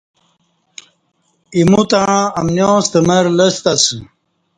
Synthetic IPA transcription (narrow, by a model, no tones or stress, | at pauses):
imut̪ãɐmnjõːst̪əmɐɾləst̪ɐs